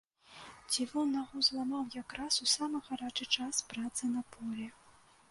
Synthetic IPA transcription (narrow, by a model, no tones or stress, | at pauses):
t͡sʲivʲɔnːaɣɔzlˠamawjakɾasusamɨɣaɾat͡ʂɨt͡ʂaspɾat̪sɨnɐpʰɔlʲɛ